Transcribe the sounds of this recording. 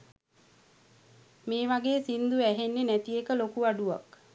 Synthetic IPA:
meːʋaɡeːsind̪uæɦenːenæt̪ijekəlokuaɖuʋa̰k

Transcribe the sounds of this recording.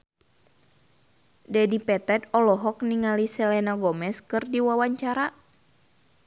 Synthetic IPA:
dɛdipɛt̪ɛt̪ɔlɔɦɔk̚niŋalisɛlɛnaɡɔmɛskɨrdiwawaɲt͡ʃaɾa

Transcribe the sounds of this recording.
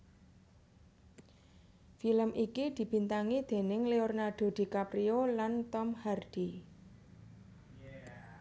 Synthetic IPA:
filəmʔikid̪̥i̤b̥i̤nt̪aŋid̪̥e̤nɪŋleornaɖ̪̥o̤d̪̥i̤kapɾiolant̪ɔmharɖ̪̥i

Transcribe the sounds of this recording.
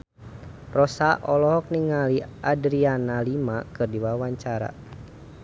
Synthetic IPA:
rɔsaʔɔlɔɦɔk̚niŋaliadɾianalimakɨrdiwawaɲt͡ʃaɾa̰

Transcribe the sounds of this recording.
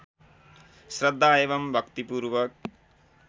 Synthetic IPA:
srʌd̪ʱːaeʋʌmbʱʌkt̪ipuɾwʌk̚

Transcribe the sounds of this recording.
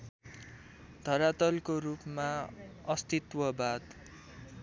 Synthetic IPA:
d̪̥ʱʌɾat̪ʌlkoɾupmaʌst̪it̪wʌbad̪

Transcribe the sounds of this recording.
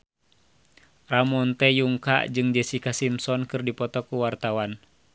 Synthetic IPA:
ramɔnt̪ɛjuŋka̰ʔd͡ʒɨŋd͡ʒɛsikasimsɔnkɨrdipɔt̪ɔkuwart̪awan

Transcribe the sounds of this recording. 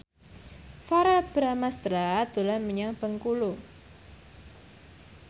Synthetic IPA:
faɾab̥ɾamast̪ɾad̪̥ṳlanməɲaŋb̥əŋkulu

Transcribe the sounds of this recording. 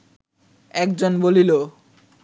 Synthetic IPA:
ɛkd͡ʑonbolilo

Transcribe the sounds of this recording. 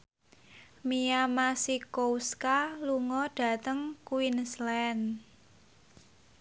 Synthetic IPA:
miamasikowskaluŋɔɖ̥ä̤t̪əŋkuwinslɛn

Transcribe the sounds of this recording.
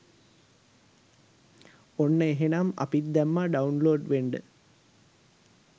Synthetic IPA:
onːəeɦenamɐ̰pit̪̚d̪æmːaɖaunloːɖʋeɳɖə

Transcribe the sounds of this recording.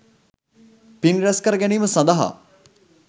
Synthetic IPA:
pinɾɛskɐɾəɡɛniːməsɐ̃nd̪ɐɦa̰

